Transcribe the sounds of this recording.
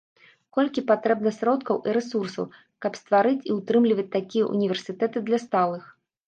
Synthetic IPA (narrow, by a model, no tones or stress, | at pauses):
kɔlʲkʲipat̪ɾɛbnɐsɾɔt̪kɐwʔiɾɛsursɐ̰w | kɐpst̪vaɾɨt͡sʲiwt̪ɾɨmlʲivɐt͡sʲt̪akʲijɐ̰ʔṵnʲivʲɛrsʲɨt̪ɛt̪ɨd̪lʲɐst̪alˠɨx